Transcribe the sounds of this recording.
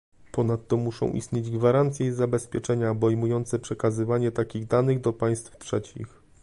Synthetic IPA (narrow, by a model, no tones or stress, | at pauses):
pɔnat̪ːɔmuʂɔ̰̃w̃ʔḭst̪ɲed͡ʑɡvaɾant̪sʲjɛizabɛspʲjɛt͡ʂɛɲabɔjmujɔnt̪sɛpʂɛkazɘvaɲɛt̪akʲiɣd̪anɘɣd̪ɔpaj̃st̪ftʂɛt͡ɕḭx